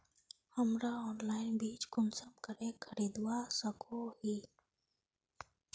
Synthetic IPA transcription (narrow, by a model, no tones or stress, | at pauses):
həmɾaɔːnlaːɪnbiːt͡ʃkʊnsəmkəɾẽkʰəɾiːd̪wasəkʰohiː